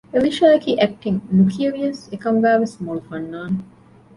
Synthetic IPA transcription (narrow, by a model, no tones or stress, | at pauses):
eliʃaːkiʔæk̚ʈiŋnukʰiɐɾiɐsekɐmɡaːʋesmolfɐɳːaːn